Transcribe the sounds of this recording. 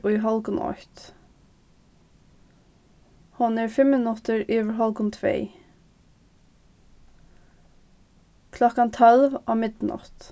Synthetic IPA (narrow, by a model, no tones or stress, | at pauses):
ʊjɦɔlkʊnʔɔ̰ht̪ | hʊnɛɹfɪmːɪnʊt̪əɹiʋəɹɦɔlkʊnt̪ʰvḛː | kʰlɔkant̪ʰœlvamɪt̪nɔ̰ht̪